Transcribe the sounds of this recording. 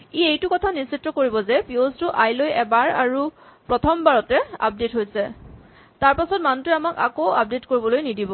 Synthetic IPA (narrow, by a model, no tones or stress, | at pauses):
iejtukɔtʰanisitːɔkoɹibɔzɛpiostʊʔajlojɛbaɹa̰ɹupɹɔtʰɔmbaɹɔtɛa̰p̚detɦojsɛ | taɹpasɔtmantɹɛamaka̰kowap̚detkoɹibɔlojnidibɔ